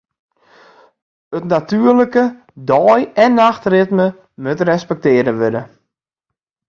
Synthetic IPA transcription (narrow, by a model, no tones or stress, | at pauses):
ətnatyərləkə | dɔjɛnːaxtrɪtmə | møtrɛspɛk̚tɪːəɾəʋødə